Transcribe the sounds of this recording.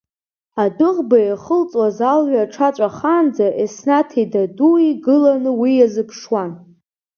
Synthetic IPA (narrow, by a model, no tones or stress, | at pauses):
adɨʁbajaχəlt͡sʼwazalɥaʈ͡ʂʰat͡sʷʼaχand͡zaʔesnatʰidaduiɡɨlanɨwijazɨpʰʂwan